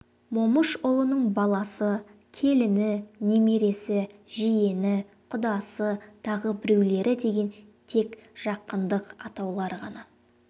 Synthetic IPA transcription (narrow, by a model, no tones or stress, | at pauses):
mo̞məʃʊlˠənəɴbɑlˠɑsə | kʲʰe̞lɪnɪne̞me̞ɾe̞sɪʒije̞nɪ | qʰʊd̪ɑsət̪ʰɑʁəbɪɾe̞wle̞ɾɪd̪e̞ɡʲe̞n | t̪ʰe̞kʒ̥ɑqːənd̪əqɑt̪ɑwlˠɑɾʁɑnɑ